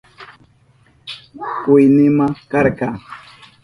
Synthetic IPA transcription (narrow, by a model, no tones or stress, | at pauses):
kʊjnɪmakɑɾqɑ